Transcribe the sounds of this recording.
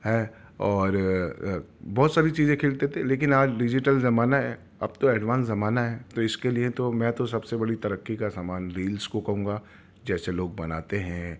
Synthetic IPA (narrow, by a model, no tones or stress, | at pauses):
ɦɛː | ɔːɾ | bɔːt̪saːɾit͡ʃiːzẽkʰeːlt̪et̪ʰeleːk̬ɪnaːd͡ʒɖɪd͡ʒɪʈəlzɐmaːnaɦɛː | ɐb̚t̪oɛːɖʋãːnszɐmaːnaɦɛːt̪oɪskeliet̪omɛ̃t̪osɐbsebɐɽit̪ɐɾəkːikasaːmaːnɾiːlskokɐɦũːŋɡa | d͡ʒɛːseloːɡ̚bɐnaːt̪eɦɛ̃ː